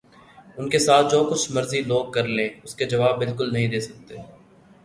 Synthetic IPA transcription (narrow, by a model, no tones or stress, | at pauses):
ʊnkesaːt̪̚ʰd͡ʒoːkʊt͡ʃʰmɐɾziloːɡ̚kɐɾlẽʊsked͡ʒɐʋaːbːɪlkʊlnɐɦĩd̪eːsɐk̚t̪e